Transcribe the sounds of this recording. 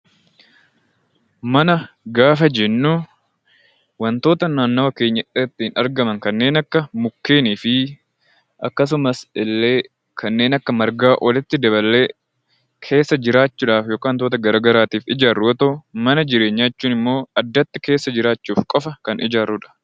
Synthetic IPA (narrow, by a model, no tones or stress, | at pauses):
mɐnɐ | ɡaːfɐd͡ʒɛnːuː | wɐnt̪o̞ːt̪ɐnaːnːɐwɐke̞ːɲːɐʔɪt̪ːɪhɪnɐɾɡɐmɐŋkɐnːe̞ːnɐkːɐmʊkːe̞ːniːfɪ | ʔɐkːɐs̬ʊmɐsɪlːe̞ː | kʰɐnːe̞ːnɐkːɐmɐɾɡaːʔɔlɪt̪ːɪd̪ɐbɐlːe̞ː | kʰe̞ːsːɐd͡ʒɪɾaːt͡ʃːuːᶑaːfjo̞ːkaːnt̪oːt̪ɐɡɐɾaːɡɐɾaːt̪iːfɪd͡ʒaːrːʊɔt̪omɐnɐd͡ʒɪɾeːɲːaːt͡ʃːuːnɪmːo̞ːɐd̪ːɐt̪ːɪke̞ːsːɐd͡ʒɪɾaːt͡ʃːuːfkʼɔfɐkɐnɪd͡ʒaːrʊᶑɐ̥